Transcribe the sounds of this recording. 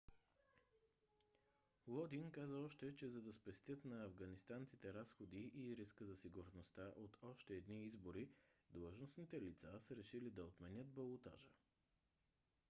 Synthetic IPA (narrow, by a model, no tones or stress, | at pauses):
lˠɔd̪inkazəɔʃt̪ɛt͡ʃɛzɐd̪ɐspɛst̪ʲjət̪nɐɐvɡɐnist̪ant̪sit̪ɛɾasxod̪iʔiɾiskəzɐsiɡuɾnost̪aʔot̪ʰɔʃt̪ɛːd̪niizboɾid̪lˠəʒnosnit̪ɛlit̪sasəɾɛʃilid̪ɐot̪mɛnʲət̪̚bɐlˠot̪a̰ʒə